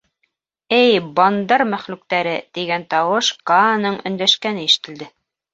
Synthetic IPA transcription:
ɘjbɑnd̪ɑɾmæχlʉk̚t̪æɾɘt̪iɡænt̪ɑwɤʃkɑnɤɴɵ̰̆nd̪æʃkænɘiʃɘ̥̆t̪ɘ̆ld̪ɘ

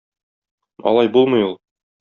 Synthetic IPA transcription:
ɒ̰lˠɑjbulˠmɤ̆julˠ

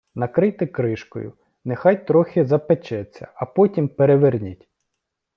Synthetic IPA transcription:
nɐkɾɪjt̪ɪkɾɪʃkɔ̰jʊ̰ | nexɑjt̪ɾɔxʲɪzɐpet͡ʃɛt͡sʲːɐ̰ɐpɔtʲimpeɾeʋernʲitʲ

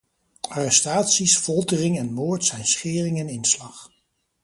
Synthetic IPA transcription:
aːrɛstaːtsisfɔlˠdərɪŋɛnmoːɹtsɛjnsχɪːrɪŋɛnɪnslɑχ

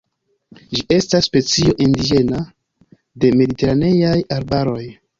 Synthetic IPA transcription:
d͡ʒie̞stasːpe̞t͡sio̞ʔindid͡ʒe̞na | de̞me̞dite̞ɾane̞jajaɾbaɾo̞j

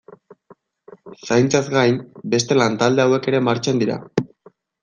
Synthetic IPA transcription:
sajnt͡sazɡajmbe̞st̪e̞lant̪ald̪e̞awe̞ke̞ɾe̞maɾt͡ʃend̪iɾa̰

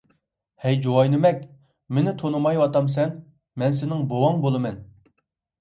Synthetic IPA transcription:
hɛjd͡ʒowɑjnɪmɛkʲ | menɪt̪ʰonɨmɑjwɑt̪ɑms̬ɛn | mɛnsɪnɪŋbowɑŋbolˠɨmɛn

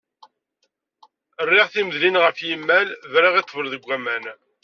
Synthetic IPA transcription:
ərːiʁθimðlinʁəfjimːælvɾəʁit̪ːˤvəlðəɡʷːæmæn

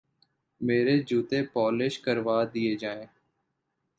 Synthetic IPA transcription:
meːɾeːd͡ʒuːt̪eːpɔːleʃkəɾʋaːd̪ɪeːd͡ʒaːẽː

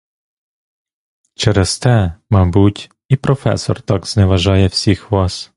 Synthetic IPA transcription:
t͡ʃɛɾɛst̪ɛmɑbutʲ | ipɾɔfɛ̰sɔ̰rt̪ɑɡz̥nɛʋɐʒɑjɛwsʲixʋɑs

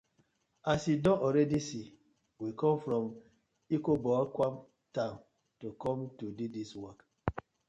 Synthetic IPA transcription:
asidɔʔɔɾɛdisi | wikɔ̃mfɾɔm | ikobɔakwam | tãn | tukɔmtududiswɔk

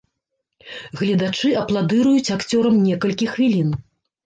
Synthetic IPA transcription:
ɣlʲɛd̪at͡ʂɨɐplˠad̪ɨɾujut͡sʲakt͡sʲɔɾɐmnʲɛkɐlʲkʲixvʲilʲin

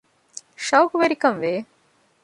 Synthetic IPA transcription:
ʃɐwkuʋeɾikɐnʋeː

